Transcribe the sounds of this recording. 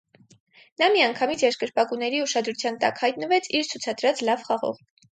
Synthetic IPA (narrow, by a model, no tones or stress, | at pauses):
nɑmiɑŋkʰɑmit͡sʰjɛɾʃkəɾpɑkunɛɾiuʃɑd̪ɾut͡sʰjɑnt̪ɑ̰khɑjt̪̚nəvɛt͡sʰiɾt͡sʰut͡sʰɑd̪ɾɑt͡slɑvχɑʁɔ̰ʁ